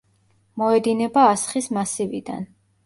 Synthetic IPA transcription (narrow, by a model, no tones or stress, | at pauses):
mɔɛd̪inɛbaːsχismasivid̪a̰n